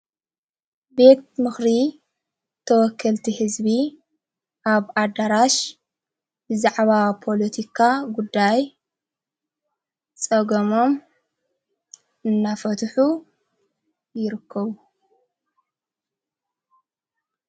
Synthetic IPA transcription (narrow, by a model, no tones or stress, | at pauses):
be̞t̪̚mɨxɾi | t̪ʰɐwɔkʰːɐlt̪ʰihɨzbi | ʔaβad̪aɾaʃ | bɨzaʕβapʰo̞lɐt̪ʰikʰaɡud̪ːaj | t͡sʼɐɡomo̞m | ʔɨnːafɐt̪ʰħu | jɪɾɨkʰːɐβu